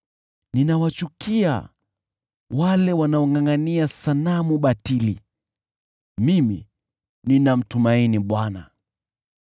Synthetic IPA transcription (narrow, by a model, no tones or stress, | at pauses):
ninawat͡ʃukia̰ | walɛwanaɔŋɡaŋɡaniasanamuɓatili | mimi | ninam̩tumainiɓwana